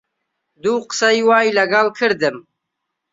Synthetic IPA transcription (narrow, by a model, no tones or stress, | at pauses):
d̪uːqə̥sɐiwɑːjlɐɡɑlkʰɨɾd̪ɨm